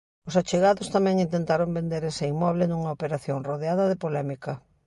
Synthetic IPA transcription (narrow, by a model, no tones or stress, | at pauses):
ʊsat͡ʃeɣaðʊst̪amɛ̃ŋint̪ẽnt̪aɾombẽnd̪eɾesɐimɔβlɪnuŋɐopeɾaθjoŋroð̞eaðɐðɪpolɛmikɐ